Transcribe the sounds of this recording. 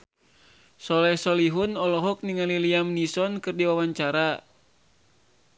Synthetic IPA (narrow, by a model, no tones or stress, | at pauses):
sɔlɛsɔliɦunɔlɔɦɔk̚niŋaliliamnisɔnkɨrdiwawaɲt͡ʃaɾa